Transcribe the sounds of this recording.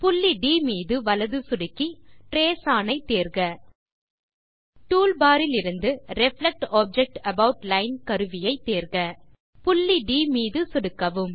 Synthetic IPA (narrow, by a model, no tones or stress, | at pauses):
pʊlːiɖiːmiːðɯʋɐlɐðɯsʊɽɯkːiʈɾeːsaːnɐɪt̪ːeːɾɣɐ | ʈuːlbaːɾɪlɪɾɯnd̪ɯɾɛflɛk̚ʈoːb̚d͡ʒɛk̚ʈɐbɐʋʊʈlɐɪnkɐɾɯʋɪjɐɪt̪ːeːɾɣɐ | pʊlːiɖiːmiːðɯsʊɽɯkːɐʋɯm